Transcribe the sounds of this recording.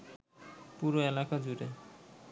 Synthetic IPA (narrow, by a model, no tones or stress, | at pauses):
puɾoelakad͡ʑuɾe